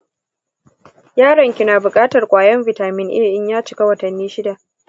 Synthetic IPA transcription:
jaː˦ɽɐ˨ŋkʲɪ˨naː˨bʊ˨kʼaː˦tɐ˨rkʷʼaː˨jɐ˦mvɪ˨taː˨mɪ˦nʔɪ̰˦jʔɪ˦ɲjaː˦t͡ʃɪ̥˨ka˦wɐ˨tɐ˨nːiː˦ʃɪ˦da˨ʔ

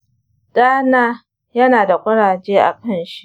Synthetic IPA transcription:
d̥aː˦naː˦ | jɐ˦naː˨da˨kʷʼɐ˦ɽaː˨d͡ʒeː˦ʔa̰˨kɐ˦˨nʃi˦ʔ

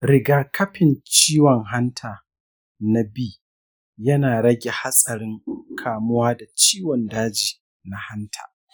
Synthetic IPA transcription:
ɾɪ˨ɡaː˦kɐ˦ɸɪ˨nt͡ʃiː˦wɔ˨ŋɦa˦ntʰaː˨ | na˨biː˦ | jɐ˦naː˨ɽɐ˦ɡʲe˨ha˦sʼɐ˨ɾɪ˦ŋkʰaː˨mʊ˦waː˦da˨t͡ʃiː˦wɔ˨ndaː˦d͡ʒiː˨ | na˨ha˦ntʰa̰ː˨

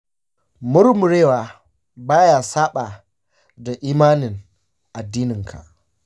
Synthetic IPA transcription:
mʊ˦ɾmʊ˨ɽeː˦waː˨ | baː˦jaː˨saː˦ɓa˨ | da˨ʔiː˦maː˦nɪ˨n | ʔa˨dːiː˦nɪ˨ŋkʰa̰˨ʔ

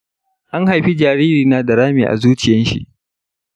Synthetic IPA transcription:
ʔa˦ŋha˨jɸi˦d͡ʒaː˨ɾiː˦ɾiː˨naː˦da˨ɾaː˦miː˨ʔa̰˨zuː˦t͡ʃɪ˨jɐ˦nʃḭ˦ʔ

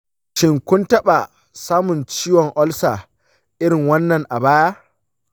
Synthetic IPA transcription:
ʃɪ˦ŋkʷʊ˦ntɐ˦ɓa˨ | saː˦mʊ˨nt͡ʃiː˦wɔ˨ŋʔɔ˦lsaː˨ | ʔɪ˦ɽɪ˨ŋwɐ˦nːɐ˨ŋʔa˨baː˦ja˦

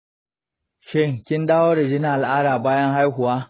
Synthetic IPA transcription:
ʃɪ˦˨ŋkʲɪ˦nɗaː˦woː˦ɽa˨d͡ʒɪ˦na˦ʔa˨lʔaː˦ɽaː˨baː˦jɐ˦ŋɦa˦jɦʊ˨waː˦

